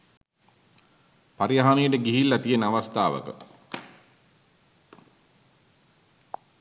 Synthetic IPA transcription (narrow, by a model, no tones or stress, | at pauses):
paɾijaɦanejəʈəɡiɦilːɐt̪ijənaʋast̪aːʋə̰kə̰